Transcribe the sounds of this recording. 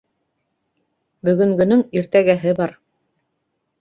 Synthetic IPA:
bɵ̆ɡɵ̆ŋɡɵ̆nɵŋiɾt̪æɡæɦɘbɑɾ

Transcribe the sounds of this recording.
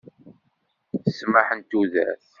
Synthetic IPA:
θəsməħənt̪uðæ̰θ

